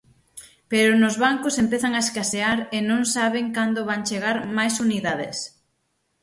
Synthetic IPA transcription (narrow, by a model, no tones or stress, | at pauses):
peɾʊnʊzβaŋkʊsempeθaŋaeskaseaɾɪnõŋsaβ̞ɪŋkand̪ʊβaŋt͡ʃeɣaɾmajsuniðaðɪ̰s